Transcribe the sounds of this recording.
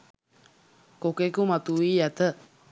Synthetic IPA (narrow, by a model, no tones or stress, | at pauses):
kokekumat̪uijat̪ə